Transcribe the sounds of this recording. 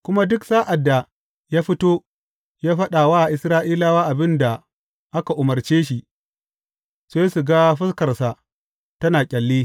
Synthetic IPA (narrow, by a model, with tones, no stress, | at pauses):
kʷʊ˦ma˦dʊ˦ksaː˦ʔa˨dːa˨ | jaː˦ɸɪ˦toː˦ | jaː˦ɸɐ˦ɗaː˨waː˦˨ʔɪ˨sɾaː˦ʔiː˦laː˦waː˦ʔa˨bɪ˦nda˨ | ʔa˦ka˨ʔʊ˨mɐ˨rt͡ʃeː˦ʃi˨ʔ | se˦su˨ɡa˦ɸɪ˦skɐ˨rsa˨ | tɐ˦naː˨kʲʼɐ˨lːiː˦